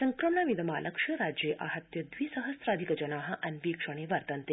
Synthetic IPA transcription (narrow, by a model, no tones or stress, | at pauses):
sɐŋkɾɐmɳaʋid̪ɐmaːlɐkʂɐɾaːd͡ʒjeːʔa̰ɦɐt̪jɐd̪ʋiːsɐɦɐsɾaːd̪ʱikɐd͡ʒɐnaːɦɐ̆ʔɐnʋiːkʂɐɽ̃eːʋɐɾt̪ɐnt̪e